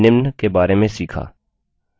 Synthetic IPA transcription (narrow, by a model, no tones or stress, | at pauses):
nɪmnkebaːɾemẽsiːkʰa̰ː